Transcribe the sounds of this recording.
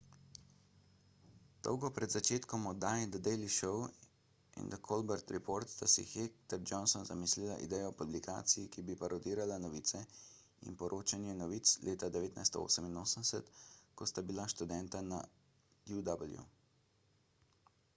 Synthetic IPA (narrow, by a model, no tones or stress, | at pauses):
d̪̥ɔ̰wɡɔpɾɛd̪zat͡ʃeːt̪kɔmɔd̪aːjd̪ad̪ɛjliʃɔw | ḭnd̪akʰolbɛɾt̪ɾɛpoɾt̪t̪asḭxekt̪ɛɾd͡ʒɔnsɔnzamislilaʔḭd̪ɛːjɔpublikʰa̰ːt̪sijikibipaɾɔd̪iːɾalanɔʋiːt̪sɛ | ḭnpɔɾʔoːt͡ʃanjɛnɔʋiːt̪slʔeːt̪ad̪ɛʋeːt̪na̰jst̪ɔo̰ːsəminoːsənd̪ɛsɛt̪kɔst̪abilaʃt̪ud̪ɛnt̪ana̰ | d̪jud̪abəljṵ